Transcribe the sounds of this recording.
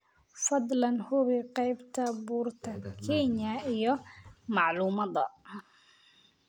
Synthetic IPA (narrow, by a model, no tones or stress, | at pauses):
fɐd̪lɐnhʊβɪqɑjbt̪ʰɐbuːrt̪ʰɐkʰɛnjɐijɞmɑʕluːmɐðɐ̰